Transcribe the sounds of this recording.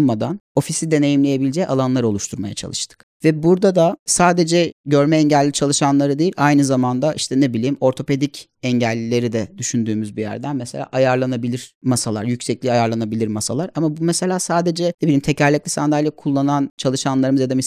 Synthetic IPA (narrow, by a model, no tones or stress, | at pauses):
mad̪ano̞fisid̪e̞ne̞jimlʲeje̞bilʲd͡ʒɛa̰lˠanlˠaɾo̞lˠuʃt̪ʰuɾma̰ja̰t͡ʃʰa̰lˠɯʃt̪ʰɯ̥k | vɛbuɾd̪ad̪asaːd̪e̞d͡ʒɛɟø̞ɾmɛɛɲɟælʲːit͡ʃʰalˠɯʃanlˠaɾɯd̪ejilʲʔajnɯzamand̪aʔiʃt̪ʰɛnebilʲiːmo̞ɾt̪ʰo̞pe̞d̪ic | ɛɲɟælʲːilʲe̞ɾid̪ɛd̪yʃynd̪yːmyzbijæ̰ɾd̪ænmɛse̞lʲa̰ːʔajaɾlˠanabilʲiɾ̥masalˠaɾjycʲsɛclʲiajaɾlˠanabilʲiɾmasalˠaɾamabumese̞lʲaːsaːd̪e̞d͡ʒɛnebilʲiːmt̪ʰecʰaɾlʲɛc̚lʲisand̪alʲjʲakʰulˠːanant͡ʃʰalˠɯʃanlˠaɾɯmɯzjad̪amis